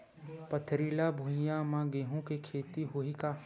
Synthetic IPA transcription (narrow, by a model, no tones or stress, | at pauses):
pət̪ʰɾiːlabʱujamãɡeːɦũkekʰeːt̪iɦʊika